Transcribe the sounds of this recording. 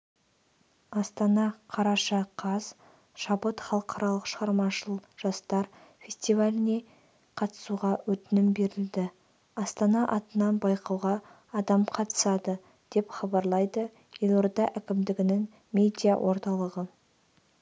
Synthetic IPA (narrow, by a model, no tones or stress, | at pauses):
ɑst̪ɑnɑqʰɑɾɑʃɑqʰɑz̥ | ʃɑbət̪χɑlˠəqʰɑɾɑlˠəqʃəʁɑɾmɑʃəlˠʒ̥ɑst̪ɑɾfʲe̞sʲt̪ivalʲɪne̞ | qʰɑt̪ə̥suʁɑwɵt̪ɪnɪmbe̞ɾɪld̪ɪ | ɑst̪ɑnɑʔɑt̪ənɑnbɑjqɑwʁɑː | d̪ɑmqʰɑt̪ə̥sɑd̪ə | d̪̥e̞pχɑbɑɾlˠɑjd̪ə | jelˠoɾd̪ɑʔækʲɪmd̪ɪɡʲɪnɪŋ | mʲe̞d̪ʲijawʔo̞ɾt̪ɑlˠəʁə